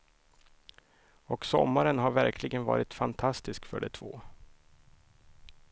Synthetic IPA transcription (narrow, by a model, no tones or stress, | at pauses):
ɔksɔ̰mːaɾənɦaɾvæɾkʰlɪɡənvɑ̰ːɾɪt̪fant̪ʰast̪ɪskfœ̰ɖɛt̪ʰv̥oː